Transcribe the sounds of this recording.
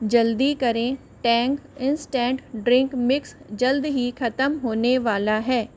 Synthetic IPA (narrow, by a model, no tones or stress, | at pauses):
d͡ʒɐld̪ikɐɾẽ | ʈɛ̃ːŋkɪ̃nsʈɛ̃ːɳʈɖɾɪ̃ŋkmɪksd͡ʒɐld̪ɦixʰɐt̪əmɦoːneʋaːlaɦɛː